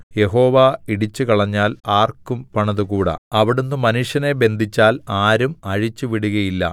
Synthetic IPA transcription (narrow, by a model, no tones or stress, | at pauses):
je̞ɦo̞ːʋaːiɽit͡ɕːukɐɭɐɲːaːlaːrkːumpɐɳɐðukuːɽɐ̰ɐʋiɽunːumɐnuʂjɐne̞be̞nd̪ʱit͡ɕːaːlaːɾumɐɻit͡ɕːuʋiɽuɣɐjilːɐ̰